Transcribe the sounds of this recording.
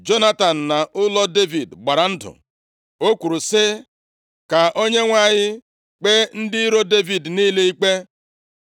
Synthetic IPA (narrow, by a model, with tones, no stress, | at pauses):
d͡ʒo˦na˦ta˨n̩˨na˨ʔʊ˦lɔ˦de˦vi˨dɡ͡ba˨ɾa˨n̩˦dʊ̰˨ | o˦kʷu˨ɾu˨sɪ˦ | ka˨ʔo˦ɲe˦ŋʷa˦ɲɪ˦ | k͡pe˦n̩˦dɪ˦ɾo˦de˦vi˨dniː˦le˦i˦k͡pe˦